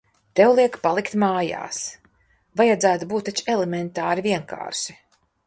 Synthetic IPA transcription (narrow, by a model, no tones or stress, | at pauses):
t̪ɛwlˠiɛkpalˠikt̪maːja̰ːs | vajad̪zæːt̪ubuːt̪ːat͡ʃelɛmɛnt̪aːɾivʲiɛŋka̰ːɾʃi̥